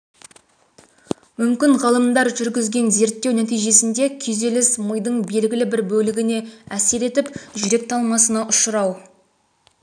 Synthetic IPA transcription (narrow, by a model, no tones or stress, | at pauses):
mʏmkʲɪɴʁɑlˠəmd̪ɑɾʒʏɾɡʲɪzɡʲe̞nze̞ɾt̪ːe̞wnæt̪ijʒe̞sɪnd̪e̞kʲʰɵze̞lɪsməjd̪əɴbe̞lɡʲɪlɪbɪɾbɵlɪɡʲɪne̞æse̞ɾe̞t̪ɪpʒʏɾe̞k̚t̪ʰɑlˠmɑsənɑʔʊʃəɾɑw